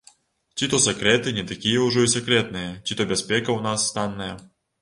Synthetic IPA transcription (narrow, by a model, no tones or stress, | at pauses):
t͡ɕʲit̪osʲekɾʲet̪ɨnʲɪt̪ɐkʲijəʊʐɛisʲekɾʲet̪̚nɨjət͡ɕʲit̪obʲɪspʲekəʊnasːt̪anːəjə